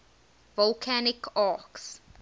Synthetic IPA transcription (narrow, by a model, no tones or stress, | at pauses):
vɔlkʰænɪkʰaˑks